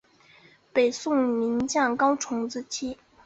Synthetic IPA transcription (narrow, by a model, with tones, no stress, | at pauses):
pe˨˩ɪsʊ˥˩ŋmi˧˥nt͡ɕjɑ˥˩ŋkɑ˥ʊʈ͡ʂʰʊ˧˥ŋt͡sɹ̩˥t͡ɕʰi˥